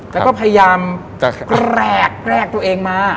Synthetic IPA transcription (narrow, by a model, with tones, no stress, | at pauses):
ɛː˦˥kɔː˥˩pʰa˧ja˧jaː˧m | kɾɛː˥˩kːɾɛː˥˩k̚t̪u˧ɐʔeː˧ŋmaː˦˧˩